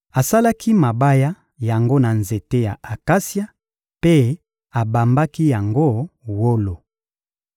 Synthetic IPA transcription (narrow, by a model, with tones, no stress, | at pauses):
a˨sa˦la˦kʰi˦ma˨ba˦ja˦ | ja˨ŋɡo˦na˨nze˨te˦ja˨a˨ka˦sja˦ | pe˦ | a˨ba˨mba˦ki˦ja˨ŋɡo˦˨wo˦lo˨